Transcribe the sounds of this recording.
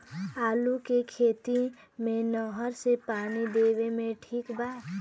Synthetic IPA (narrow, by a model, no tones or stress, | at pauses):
aːlukekʰeːt̪i | mẽnɔɦəɾsepaːnid̪eːʋemẽʈʰiːkbaːt̪